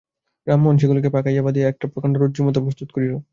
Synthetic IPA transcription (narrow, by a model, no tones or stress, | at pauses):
bɾamːonʃ̬eɡulok̬epakajabad̪ijeɛk̚ʈapɾokaɳɖaɾodd͡ʑumot̪opɾost̪ut̪̚koɾiɾo